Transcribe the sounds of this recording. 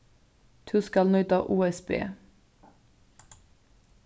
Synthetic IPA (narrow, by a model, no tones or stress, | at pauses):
t̪ʰʉskɑlnœʏt̪ɑʔuːɛsbḛː